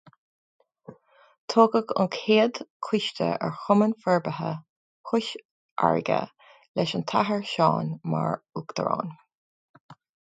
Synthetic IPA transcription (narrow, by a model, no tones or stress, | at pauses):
t̪ʰoːɡəɡʊ̰nkʰheːd̪kʰʊʃtə̰ɛ̰ɹxʊmənfɛɹbəɦə | kʊʃ | ʔa̰ɹɪɡə̰ | lɛʃənt̪ʰaɦəɹʃɑːnma̰ɹukd̪̥ə̰ɹɑ̰ːn